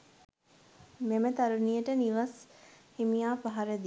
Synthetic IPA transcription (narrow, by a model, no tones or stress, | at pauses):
memət̪aɾunijəʈəniʋəs | himijaːpaɦaɾed̪i